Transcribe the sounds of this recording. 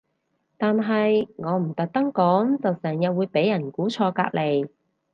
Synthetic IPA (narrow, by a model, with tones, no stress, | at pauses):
t̪aː˨nɦɐ˨jŋɔː˨˧m̩˨˩t̪ɐ˨k̚t̪ɐ˥ŋkɔː˨˥ŋt͡sɐ˨wsɛː˨˩ŋjɐ˨wuː˨˧jpe˨˥jːɐ˨˩nkuː˨˥t͡ʃʰɔː˧ka̰ː˧k̚lʔe˨˩j